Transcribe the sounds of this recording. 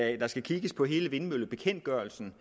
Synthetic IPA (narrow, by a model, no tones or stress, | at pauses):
d̥ɑ̈sɡ̥ækʰiɡ̥əspʰɒ̽ɦe̝ːləʋe̝nmøl̰b̥e̝kʰen̰d̥̚ɡ̥ɶɐl̩sn̩